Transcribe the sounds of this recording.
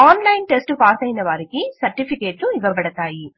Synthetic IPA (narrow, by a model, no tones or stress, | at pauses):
aːnlɐjnʈesʈpaːsɐjnɐʋaːɾikisɐɾʈipʰikeːʈːuiʋɐpɐɽɐt̪aːji